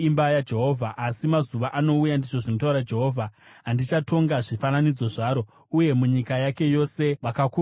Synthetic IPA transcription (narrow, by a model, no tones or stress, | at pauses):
imbajad͡ʒe̞ɦo̞ːvʱaʔasimazuʋaʔano̞ujandiʐo̞ʐinot̬auɾad͡ʒe̞ɦoːvʱaɦandit͡ʃato̞ŋɡaʐifananid͡zo̞ʐaːɾo̞ | uje̞muɲikajake̞jo̞se̞ʋakaku